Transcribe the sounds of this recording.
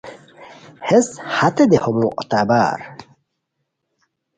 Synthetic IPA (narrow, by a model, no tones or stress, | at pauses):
heshat̪ed̪ehomuʔt̪aba̰ɾ